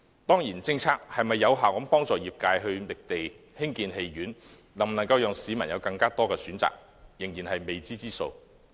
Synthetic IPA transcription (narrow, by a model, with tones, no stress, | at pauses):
t̪ɔː˥ŋjiː˨˩nt͡sɪ˧ŋt͡sʰaː˥k̚hɐ˨jmɐ˨jːɐ˨˧wɦaː˨wkɐ˨˥mpɔː˥ŋt͡sɔː˨jiː˨p̚kaː˧jɦɵ˧ɥlɪ˨k̚t̪e˨j | hɪ˥ŋkiː˧nɦe˧jɥyː˨˥n | lɐ˨˩ŋm̩˨nɐ˨˩ŋkɐ˧wjœː˨ŋsiː˨˧mɐ˨˩njɐ˨˧wkɐ˧ŋkaː˥t̪ɔː˥kɛː˧syː˨˥nt͡sa̰ː˨k̚ | jɪ˨˩ŋjiː˨˩nhɐ˨jme˨jt͡siː˥t͡siː˥so̰˧w